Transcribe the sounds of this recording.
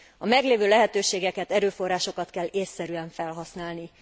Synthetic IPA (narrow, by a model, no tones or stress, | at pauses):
ɒmɛɡleːvøːlɛɦɛt̪øːʃeːɡɛkɛt̪ɛɾøːfo̞rːaːʃo̞kɒt̪kɛlːeːsːɛɾyɛɱfɛlɦɒsnaːlni